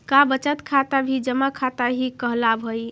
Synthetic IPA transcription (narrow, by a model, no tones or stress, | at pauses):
kabət͡ʃət̪kʰat̪abʱid͡ʒəmakʰat̪aɦikəɦlabʱoj